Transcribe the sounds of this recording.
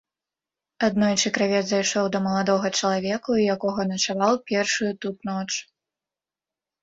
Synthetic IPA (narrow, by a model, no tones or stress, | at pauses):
ad̪nɔjt͡ʂɨkɾavʲɛd̪zajʂɔwd̪ɐmɐlˠad̪ɔɣɐt͡ʂɐlˠavʲɛkujakɔɣɐnɐt͡ʂavawpʲɛrʂujut̪ut̪nɔt͡ʂ